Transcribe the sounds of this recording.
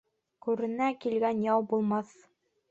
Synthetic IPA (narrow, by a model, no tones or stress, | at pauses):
kʉɾɘ̆nækilɡænjɑwbulˠmɑθ